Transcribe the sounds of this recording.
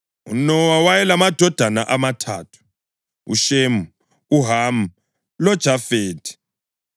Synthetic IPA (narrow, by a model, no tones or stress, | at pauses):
ṵnɔwawajɛlamad̥ʱɔd̥ʱanaʔamatʰa̰ːtʰu̥ | ṵʃemu | uɦamu | lɔd̥ʒ̥ʱafeːdʰi̥